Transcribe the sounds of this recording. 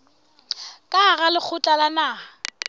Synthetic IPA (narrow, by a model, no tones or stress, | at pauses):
kʼaɣalɪk͡xʰʊt͡ɬʼalanaː